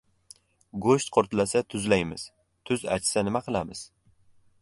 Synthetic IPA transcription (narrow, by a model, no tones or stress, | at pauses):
ɡoʃt̪̚qʰoɾt̪lasat̪ʰʊzlajmɪz̥ | t̪ʰʊza̰t͡ʃsanɪmaqʰɨlˠamɪz̥